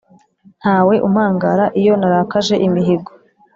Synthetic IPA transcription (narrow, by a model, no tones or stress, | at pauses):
n̥haːwe̞ʔumhaːŋɡaɾaʔijo̞naɾakaʒe̞ʔimiɦiɡo